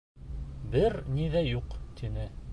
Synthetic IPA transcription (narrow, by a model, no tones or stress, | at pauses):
bɘɾniðæjuqt̪ʰinɘ